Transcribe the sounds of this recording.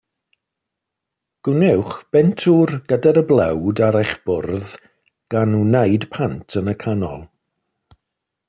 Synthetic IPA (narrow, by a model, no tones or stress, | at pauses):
ɡ̥ʊnɛwχb̥ɛntʰurɡədaɾəblˠɛwdaɾɛjχb̥ʊrð | ɡ̥anunejd̥pʰantʰənəkʰanɔ̰lˠ